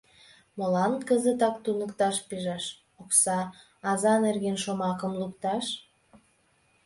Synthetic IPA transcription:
molɑnkəzət̪ɑk̚t̪unə̆kt̪ɑʃpiʒɑʃ | oksɑː | zɑnerɣenʃomɑkə̆mlukt̪ɑʃ

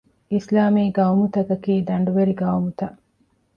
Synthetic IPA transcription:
islaːmiːɡɐumut̪ɐkɐkiːd̪ɐɳɖuʋeɾiɡɐumut̪ɐʔ

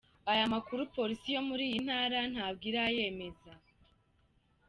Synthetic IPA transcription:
ajamakuɾupo̞ɾisijo̞muɾiːjin̥haːɾan̥haːbɡiːɾaje̞ːme̞za

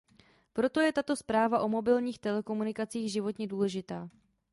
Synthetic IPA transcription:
pɾo̞t̪o̞jɛt̪at̪o̞spɾaːvaʔo̞mo̞bɪlɲiːxt̪ɛlɛko̞munɪkat͡siːɣʒɪvo̞t̪ɲɛduːlɛʒɪt̪aː

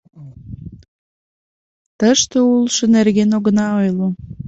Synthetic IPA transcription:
t̪əʃt̪oulʃənerɣenoɣənɑojlo

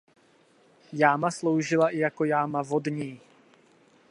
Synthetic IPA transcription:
jaːmaslowʒɪlaʔɪjakojaːmavodɲiː

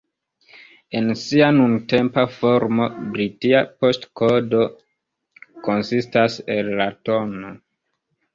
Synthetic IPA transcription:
e̞nsianunte̞mpafo̞ɾmo̞bɾitiapo̞stkodo̞ | ko̞nsistase̞lːato̞no

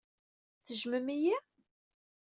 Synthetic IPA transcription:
θəʒməmiji

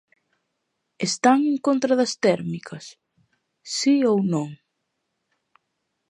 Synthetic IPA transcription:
est̪aŋeŋkont̪ɾɐðɐst̪ɛɾmikʰɐsː | iownõŋ

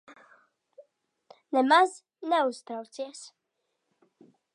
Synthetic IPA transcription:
nɛmaz | nɛust̪ɾawt̪siɛs

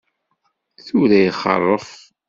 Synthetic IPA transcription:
θuɾæjχə̰rˤːəf

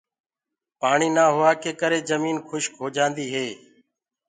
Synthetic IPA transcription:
paːɳiːnaːɦʊʋaːkeːkəɾeːzəmiːnkʰʊʃkɦoːd͡ʒãːnd̪iːɦeː

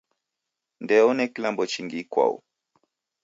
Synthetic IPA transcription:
ndɛɔnɛkilambɔt͡ʃiŋɡikwa̰ṵ

